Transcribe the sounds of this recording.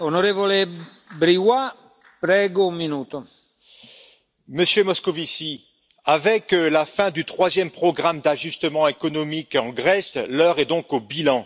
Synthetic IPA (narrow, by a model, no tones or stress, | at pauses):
onoɾeːvole | bɾiwa | pɾɛːɡoũmːinuːt̪o | məsjømɔskɔvisi | avɛklafɛ̃d̪yt̪χwazjɛmpχɔɡʁamd̪aʒyst̪əmɑ̃ekɔnɔmikɑ̃ɡʁɛslœʁɛd̪ɔ̃kobilɑ̃